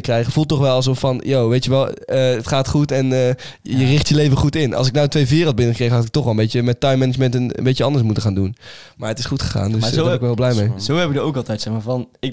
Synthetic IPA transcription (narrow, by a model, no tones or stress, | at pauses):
krɛjχəfulˠtɔχʋɛlˠɑs̬ofɑnjowʋejtəʋɛlˠəətχaːtχutɛnə | jərɪχtjəlejvəχutɪnɑ̰lˠs̬ɪk̚nawətʋejvɪːrəlˠd̚bɪnəχəkrejχəɦɑtɪkətɔχʋɛlˠəmbejtəmɛtɑjmɛnəd͡ʒmɛntən̰mbejt͡ʃəɑndəsmutəχaːndunmaːɹətɪsχutχə̥χa̰ːndøsɛnɪkʋɛɪlˠblɛjmejzowɛpɪkdəowkɑlˠtɛjtsɛχmaːɹvɑnɪ